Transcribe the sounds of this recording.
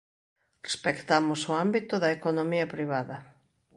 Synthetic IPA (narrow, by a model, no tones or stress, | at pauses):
respekt̪amʊsoambit̪ʊðɐekonomiɐpɾiβ̞aðɐ